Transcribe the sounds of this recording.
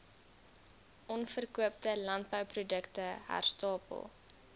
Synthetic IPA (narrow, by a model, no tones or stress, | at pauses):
ʔɔnfərkuəp̚təlɐnt̚bəwprudəktəɦa̰rstɑːpə̰lˠ